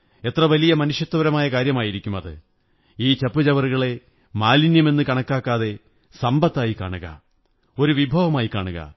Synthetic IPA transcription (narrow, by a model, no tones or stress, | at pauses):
e̞t̪rɐʋɐlijɐmɐnuʂjɐt̪ːɐʋɐɾɐmaːjɐkaːɾjɐmaːjiɾikʲːumɐðɨ̰ | iːt͡ɕɐpːut͡ɕɐʋɐruɣɐɭe̞ | maːlinjɐme̞nːɨkɐɳɐkːaːkːaːðe̞ | sɐmbɐt̪ːaːjika̰ːɳuɣɐ̰ | o̞ɾuʋibʱɐʋɐmaːjika̰ːɳuɣɐ̰